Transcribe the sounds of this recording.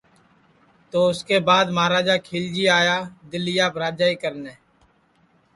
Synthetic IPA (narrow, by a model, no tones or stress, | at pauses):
t̪oːʊskeːbaːd̪maːɾaːd͡ʒaːkʰiːld͡ʒiːaːjaːd̪ɪlːɪjaːbɾaːd͡ʒaːiːkəɾneː